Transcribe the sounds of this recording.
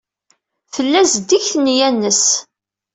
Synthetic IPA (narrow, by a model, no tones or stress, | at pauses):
θəlːæzəd̪ːiçθnjænːəs